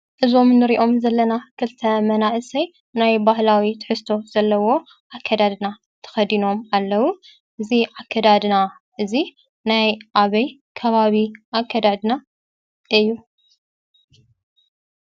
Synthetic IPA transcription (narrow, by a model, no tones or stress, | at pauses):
ʔɨzo̞mnɨɾiʔo̞mzɐlːɐnakʰɨlt̪ʰɐmɐnaʔɨsɐj | najbahlawit̪ʰɨ̥ħɨst̪ʰo̞z̥ɐlːɐwo̞ | ʕakʰːɐd̪ad̪na | t̪ʰɐ̥xɐd̪ino̞malːɐwu | ʔɨziʕakʰːɐd̪ad̪na | ʔɨzi | najʔaβɐjkʰɐβaβiʔakʰːɐd̪ad̪na | ʔɨjːu